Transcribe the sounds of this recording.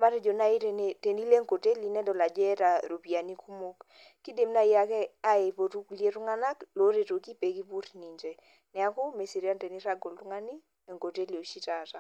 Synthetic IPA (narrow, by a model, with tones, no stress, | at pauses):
ma˦ɾɛ˦d͡ʒo˨na˦i˦ɾe˨ne˨te˨ni˦le˦ŋko˨te˦li˨nɛ˦dɔ˨la˨d͡ʒɛ˦ta˨ɾo˨pi˨a˨ni˦ku˦mo˦k | kːi˦de˨mna˦ja˦kɛ˦a˦e˨po˨tu˦kli˦e˦tu˦ŋa˦na˦klo˨˦ɾe˨to˨ki˦pe˨ki˦pu˦ɾni˨ɲd͡ʒe˨ | nɛ˨a˦ko˦me˨si˨ɾi˦a˦nte˨ni˦ɾa˦ɡo˨ltʊ˦ŋa˦ni˦ | ɛ˨ŋko˨te˦li˨o˨ʃi˦ta˨ta˨